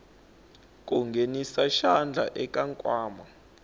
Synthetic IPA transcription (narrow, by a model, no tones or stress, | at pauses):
k̬ʼuŋɡʱenisaʃand͡ɮʱa̰ʔɛkʼaŋkʼwaːma